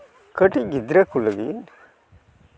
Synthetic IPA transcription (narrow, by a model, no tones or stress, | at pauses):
kəʈiɡid̪ɾɐkulːɐɡ̪i